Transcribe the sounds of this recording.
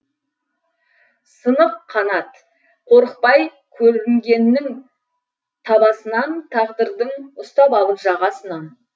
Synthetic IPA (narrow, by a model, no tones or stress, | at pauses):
sənəp̚qʰɑnɑt̪ | qʰo̞ɾəq̚pɑj | kʲʰɵɾɪŋɡʲe̞nːɪŋ | t̪ʰɑbɑsənɑnt̪ʰɑʁd̪əɾd̪əɴʊst̪ɑpɑlˠəpʒɑʁɑsənɑn